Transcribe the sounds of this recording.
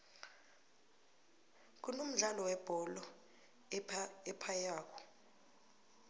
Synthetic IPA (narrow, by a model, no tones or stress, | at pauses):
k̬unum̩ɮalɔwɛb̥ʱɔlɔ | ɛpʰajaːkʰɔ̥